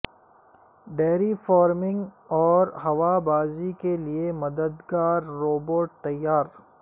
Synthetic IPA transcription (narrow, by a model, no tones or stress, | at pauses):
ɖeːɾifɔːɾmɪ̃ŋɡɔːɾɦɐʋabaːzikeliemɐd̪əd̪ɡaːɾːoːboːɾʈ̚t̪ɐjːaːɾ